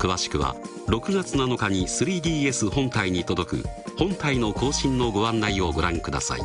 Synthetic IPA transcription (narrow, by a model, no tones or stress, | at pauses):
kɯ̟βaɕi̥kɯ̟βa̰ | ɾo̞kɯ̟ɡat͡sɨnano̞kaɲ̟isɨɾʲiːd̪ʲiːe̞sɨhõ̞nt̪aiɲ̟it̪o̞d̪o̞kɯ̟̰hõ̞nt̪aino̞ko̞ːɕĩnːo̞ɡo̞ãnːaio̞ɡo̞ɾãŋkɯ̟d̪a̰sa̰ḭ